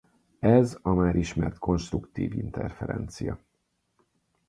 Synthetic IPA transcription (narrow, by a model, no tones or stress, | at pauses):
ɛzɒmaːɾʔiʃmɛrt̪ko̞nʃt̪rukt̪iːvint̪ʰɛrfɛɾɛnt̪sijɒ